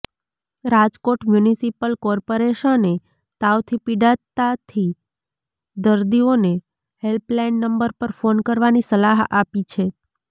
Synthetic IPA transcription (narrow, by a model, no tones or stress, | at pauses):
ɾad͡ʒkoʈmjunisipəlkɔɾpoɾeʃəne | t̪awt̪ʰipiɖat̪ːat̪ʰi | d̪əɾd̪ione | helplainːəmbəɾpəɾfonkəɾʋanisəlaɦapit͡ʃʰe